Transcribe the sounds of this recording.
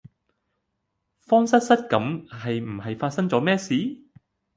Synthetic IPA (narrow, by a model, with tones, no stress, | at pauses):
fɔː˥ŋsɐ˥t̚sɐ˥t̚kɐ˨˥mɦɐ˨jm̩˨˩ɦɐ˨jfaː˧t̚sɐ˥ŋt͡sɔː˨˥mɛː˥siː˨˥